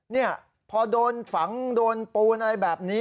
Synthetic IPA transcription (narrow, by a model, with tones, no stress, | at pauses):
ni˥˩ɐ | pʰɔː˧doː˧nfa˩˦ŋdoː˧npuː˧nʔa˧ɾa˧jbɛː˨˩p̚niː˦˥